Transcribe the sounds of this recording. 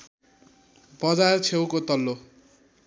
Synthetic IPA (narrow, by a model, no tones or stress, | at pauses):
bʌd͡zart͡sʰewkot̪ʌlːo